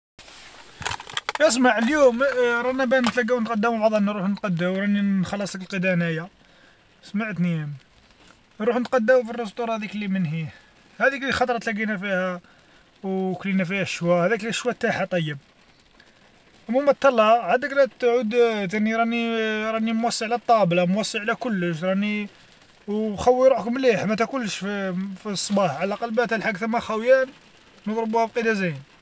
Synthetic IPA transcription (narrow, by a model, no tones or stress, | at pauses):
ʔæs̬maʕəljumɾˤɑnæbænət̪læɡːæwnət̪qɑd̪ːəmbɑd̪ˤɑnːaɾuħnət̪qɑd̪ːəwɾˤɑnixɑlːɑsˤəkəlqəd̪ænæja | smaʕət̪nim | nɾuħnət̪qɑd̪ːəmufirːəs̬t̪ˤuɾˤɑhæd̪iklimənhi | hæd̪iklixɑt̪ˤɾˤɑt̪læɡinæfihæ | wklinæfihæʃwæhæd̪ækliʃwæt̪ːaħat̪ˤɑjːəb̚ | ʔəmumæt̪ːɑlːɑʕad̪əkɾæt̪ʕud̪t̪æniɾˤɑniɾˤɑnimwɑsˤːəʕlæt̪ˤːɑblɑmwɑsˤːiʕlækʊlːəʃ̬ɾˤɑni | wxæwːiɾuħkmliħmæt̪ækulʃffisˤːbɑħʕalæqɑlbæt̪hælħaɡt̪əmːæxæwjæn | nəd̪ɾbuhæbqid̪æzæjn